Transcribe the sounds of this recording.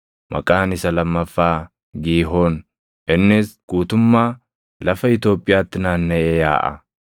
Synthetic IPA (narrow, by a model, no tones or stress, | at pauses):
mʔɐ̰kʼaːnɪsɐlɐmːɐfːaː | ɡiːɦoːn | ʔɪnːɪsɡ̥uːt̪ʊmːaː | lɐfɐɪt̪jo̞ːpʼːɪjaːt̪ːɪnaːnːɐʔeːja̰ːʔɐ̰